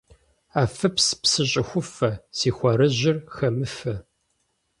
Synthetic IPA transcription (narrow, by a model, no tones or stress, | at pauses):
aːfɐpspsɨɕʼɪxʷʊfɐsiːxʷɐɾɐʑɪrxɐmɨfɐ